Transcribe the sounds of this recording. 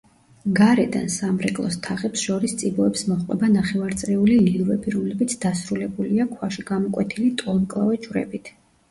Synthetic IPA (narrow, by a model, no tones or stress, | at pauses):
ɡaɾɛd̪a̰nsamɾɛkʼlˠɔ̰st̪ʰaʁɛpsʃɔɾist̪sʼibɔɛpsmɔχqʼwɛbanaχɛvaɾt̪sʼɾɛulililˠvɛbiɾɔmlɛbit̪sʰd̪̥asɾulɛbuliakʰwaʃiɡamɔkʼwɛt̪ʰilit̪ʼɔlˠmkʼlˠa̰vɛd͡ʒuɾɛ̰bit̪ʰ